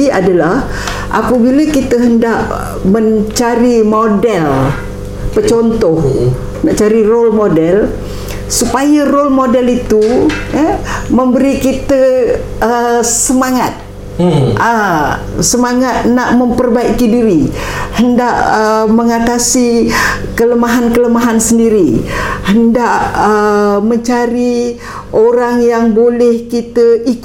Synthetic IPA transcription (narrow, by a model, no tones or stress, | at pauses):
a̰dalah | ʔa̰pəbiləkit̪əɦəndaʔ | məɲt͡ʃaɾimodɛl | pət͡ʃɔnt̪ɔh | naʔt͡ʃaɾirolmodɛl | supajarolmodɛlit̪u | məmbəɾikit̪ə | əsəmaŋat̪̚ | ə | səmaŋat̪̚naʔməmpərbaikidiɾi | həndaʔəməŋat̪asikələmaɦankələmaɦansəndiɾihəndaʔəməɲt͡ʃaɾi | ʔoɾaŋjaŋbolɛhkit̪əik